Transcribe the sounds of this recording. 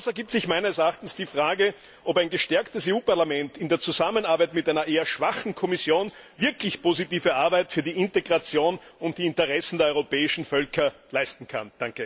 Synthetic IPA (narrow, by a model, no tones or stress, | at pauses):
ʊsɐɡiːp̚tsɪçmæɪnəsɛɐaχtn̩sd̥iːfʁaːɡə | ʔopæɪnɡəʃtɛɐktəseːuːpaɐlamɛntɪndeːɐt͡suzamənaɐbæɪtmɪtʔæɪnɐʔeːɐʃv̥aχn̩kʰɔmɪsjoːnvɪɐklɪçpʰoːzitiːvəʔaɐbæɪtfyːɐdiːɪnteɡʁat͡sjoːnʊnt̚d̥iːɪntəʁɛsn̩deɐɔʁopɛːɪʃn̩fœlkɐlæɪstn̩kʰa̰nd̥aŋkə